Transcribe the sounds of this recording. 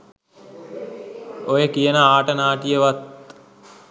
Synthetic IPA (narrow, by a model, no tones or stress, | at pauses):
ojəkijənəaːʈənaːʈijəʋat̪̚